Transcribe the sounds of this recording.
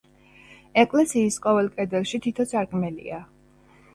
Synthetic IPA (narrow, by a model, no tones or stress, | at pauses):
ɛkʼlɛsiːsqʼɔvɛlˠkʼɛd̪ɛlˠʃit̪ʰit̪ʰɔsʰaɾkʰʼmɛlḭa